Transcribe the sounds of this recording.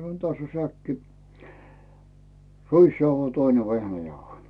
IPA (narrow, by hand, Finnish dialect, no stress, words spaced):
sɑnŏn tæsː o sækːi ruisjɑuhoi toine ʋehnæjɑuhoi